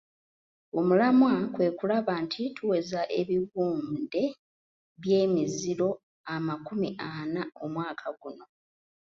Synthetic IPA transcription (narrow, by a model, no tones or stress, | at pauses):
omulamwakwe̞ːkulaβantʰitʰuwe̞zaʔe̞βiβuːnde̞ | βje̞ːmizilo̞ | amakumiʔanao̞mwaːkʰaɡuno̞